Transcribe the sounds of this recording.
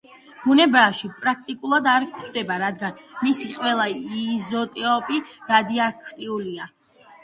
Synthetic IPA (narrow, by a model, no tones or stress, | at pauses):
b̥unɛbaʃipʼɾak̚ʰt̪ʼikʼulˠad̪aɾkʰχd̪ɛbaɾad̪ɡanmisiqʼwɛlˠaizɔt̪ʼɛɔpʼiɾad̪iakʰt̪ʼiulia